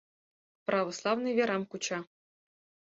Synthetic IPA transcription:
prʔɑʋoslˠɑvnɨjvʲeɾɑmkut͡ɕɑ

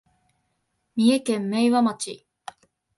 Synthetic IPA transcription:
mʲie̞kẽ̞mːeiβamat͡ɕi

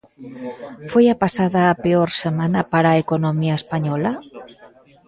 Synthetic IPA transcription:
fojapasaðaːpeoɾsemanapaɾaekonomiaespaɲɔla

